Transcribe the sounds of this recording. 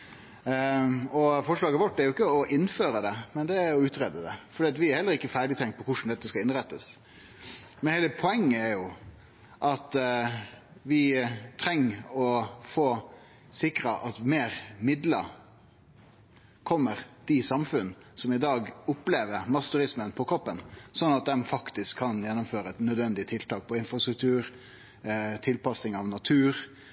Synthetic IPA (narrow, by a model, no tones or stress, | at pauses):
ɔfɔʂɭɑːɡəʋɔʈːæɾjʊɪkːəɔʔɪnːføːɾəd̪ɛmɛnd̪ɛæɾjʊʉːt̪ɾeːd̪əd̪ɛfɔɖiːɑt̪ʋɪæɾhɛlːəɾɪkːəfæːɖɪt̪ʰɛŋt̪̚pʰɔkʰʊʂn̩d̪ɛt̪ːəskɑlɪnɾɛt̪ːəs | mɛnhɛɪləpʰɔɛŋːəæɾjʊ | ʔɑt̪ | ʋɪt̪ʰɾɛŋːɔfoː | sɪkɾɑʔɑt̪meːɾmɪd̪lə | kʰɔmːəɾd̪̥ɪsɑmfʉn | sɔmɪd̪ɑːɡʊpleːʋəɾmɑst̪ʉɾɪsmənpʰɔkʰɾɔpːənsɔnːɑt̪̚d̪ɛmfɑkt̪ɪskʰːɑnjɛnːʊmføːɾəɛt̪nœd̪ʋɛnd̪ɪət̪ʰɪlt̪ɑːk̚pʰɔɪnfɾɑst̪ɾʉk̚t̪ʰʉːɾ | t̪ʰɪlpɑsɪŋɑʋnɑt̪ʰʉːɾ